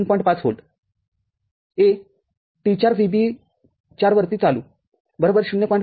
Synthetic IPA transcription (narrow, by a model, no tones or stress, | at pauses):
npɔĩɳʈpat͡sɦo̰lt̪ | e | ʈit͡ɕaɾsibi | t͡ɕaɾʋəɾt̪iːt͡saluː | bəɾobəɾɕunːjəpɔjiɳʈ